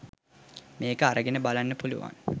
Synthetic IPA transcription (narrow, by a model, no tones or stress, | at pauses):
meːkəaɾəɡenəbalanːəpulṵʋa̰ŋ